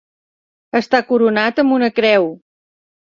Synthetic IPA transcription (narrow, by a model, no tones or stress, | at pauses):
əst̪akuɾunat̪əmbunəkɾɛw